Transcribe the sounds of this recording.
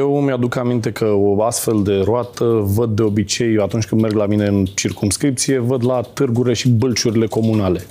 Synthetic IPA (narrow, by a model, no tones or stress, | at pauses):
jewmʲad̪ukamint̪̬e̞kʰəoast̪fe̞ld̪e̞ɾoat̪əvəd̪̚ːe̞o̞bit͡ʃe̞jat̪unt͡ʃʲkɨnd̪me̞rɡlamine̞ɨnt͡ʃirkumskɾip̚t̪sije̞vəd̪lat̪ɨrɡuɾile̞ʃibɨlt͡ʃuɾile̞ko̞munale̞